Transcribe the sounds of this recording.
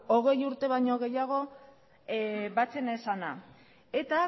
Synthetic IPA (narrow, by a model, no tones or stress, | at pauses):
o̞ɣ̞e̞juɾt̪e̞β̞ajɲo̞ɣe̞jaɣ̞o̞ | βat͡se̞nesana | e̞t̪a